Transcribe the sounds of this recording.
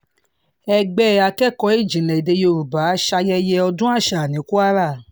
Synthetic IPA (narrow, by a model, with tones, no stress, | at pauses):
ɛ˧ɡ͡bɛ˦˨a˧kɛ˦˨kɔ˨˧˦i˦˨d͡ʒĩ˨lɛ̃˨i˨de˧jo˧ɾu˨ba˨˦ʃa˧jɛ˧jɛ˧ɔ˧dũ˦a˦˨ʃa˨nĩ˨˦ku˦a˦ɾa˦˨